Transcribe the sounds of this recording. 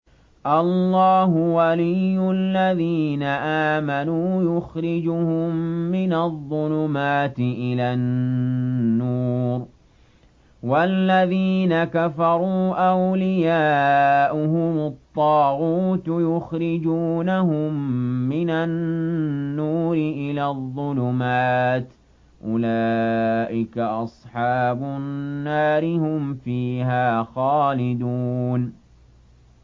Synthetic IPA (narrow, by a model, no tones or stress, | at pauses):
ʔɑlːɑːhʊwalɪjːʊlːaðiːnaʔaːmanuːjʊxɾɪd͡ʒʊhʊmːɪnaðˤːʊlʊmaːt̪ɪʔɪlaːnː | uːɾ | walːaðiːnakafɑɾˤuːʔawlɪjaːʔʊɦʊmʊt̪ˤːɑːɣuːt̪jʊxɾɪd͡ʒuːnahʊmːɪnanː | uːɾɪʔɪlaːðˤːʊlʊmaːt̪ | ʔʊlaːʔɪkaʔɑsˤħɑːbʊnːaːɾɪhʊmfiːhaːxaːlɪd̪uːn